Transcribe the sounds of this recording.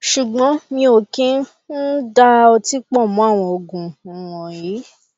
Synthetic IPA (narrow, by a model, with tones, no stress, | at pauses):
ʃu˨ɡ͡bɔ̃˨˦mĩ˧o˨kĩ˦ | n̩˦da˧o˧ti˦k͡pɔ˦˨mɔ̃˨˦a˦˨w̃ɔ̃˧o˨ɡũ˨w̃ɔ̃˨ji˨˦